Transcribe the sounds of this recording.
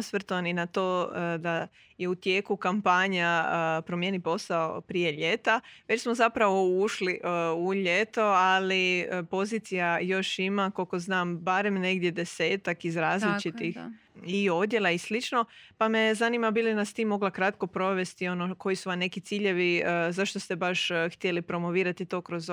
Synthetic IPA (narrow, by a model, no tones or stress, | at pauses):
sʋr̩t̪oʋaninat̪oːd̪a | je̞ut̪jeːkukampaɲaəpɾomjenipo̞sao̰pɾijeʎe̞t̪aʋet͡ɕsmozapɾaʋouʃliʔuʎe̞t̪o̞aliəpo̞ziːt̪sijajo̞ʃimakolko̞znaːmbaɾe̞mne̞ɡd̪je̞d̪e̞se̞ːt̪akizɾaːzlit͡ʃit̪ix | io̞d̪ʲje̞lˠaislit͡ʃno̞pame̞zanimabilinast̪imːo̞ɡlakɾat̪ko̞pɾo̞ʋe̞st̪io̞noko̞jisuʋamne̞kit̪siːʎe̞ʋiəzaʃt̪o̞st̪e̞baʃxt̪je̞lipɾo̞mo̞ʋiːɾat̪it̪o̞ːkɾoz